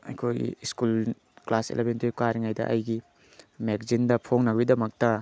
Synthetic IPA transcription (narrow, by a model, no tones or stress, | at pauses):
ɐ̰jkʰojḭskul | klasḛlʔebentokaɾiŋajdɐ̰ʔɐjɡi | meɡzindɐpʰoŋnɐɡbidɐmɐk̚tɐ